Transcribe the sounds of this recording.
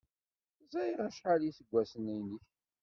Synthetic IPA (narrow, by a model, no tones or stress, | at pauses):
zæjʁæʃħaliθəɡʷːæsənijniç